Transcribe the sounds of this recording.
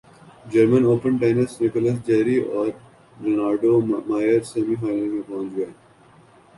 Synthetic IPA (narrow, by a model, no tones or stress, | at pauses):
d͡ʒəɾmə̃noːpə̃ɳʈeːnəsnɪkɔləs̬d͡ʒɛːɾiʔɔːɾ | ɾenaːɾɖomaːɪəɾseːmiɦaːɪnəɾmẽpɔ̃nd͡ʒɡeː